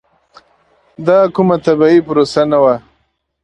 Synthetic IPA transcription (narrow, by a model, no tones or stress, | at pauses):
d̪ɑkʊmat̪abɑipʊɾosanawa